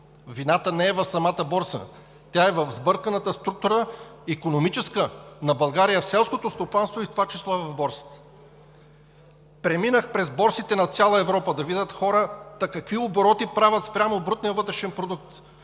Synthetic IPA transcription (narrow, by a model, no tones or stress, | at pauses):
vinat̪ənɛɛvɐfsɐmat̪əbɔɾsə̰ | t̪ʲjaɛvɐvzbɤɾkənət̪əst̪ɾuk̚t̪uɾəikonomit͡ʃɛskənɐbɐlˠɡaɾijəfsɛlˠskot̪ost̪opanst̪voift̪ovat͡ʃislˠɔvɐvbɔɾsi̥t̪ɛ̥ | pɾɛminəxpɾɛzbɔɾsit̪ɛnɐt̪sʲjalˠəɛvɾɔpəd̪ɐvid̪ʲət̪xɔɾət̪ɐkɐkviʊboɾɔt̪ipɾavʲət̪spɾʲamoːbɾut̪nijəvɤt̪ɾɛʃɛnpɾod̪uk̚t̪